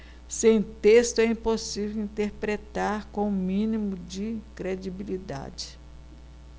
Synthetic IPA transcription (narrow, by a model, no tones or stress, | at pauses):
sẽj̃t̪est̪ʊɛĩposivewĩnt̪eɾpɾet̪aɾkõmĩnimʊd͡ʒɪkɾed͡ʒibilid̪a̰d͡ʒɪ̥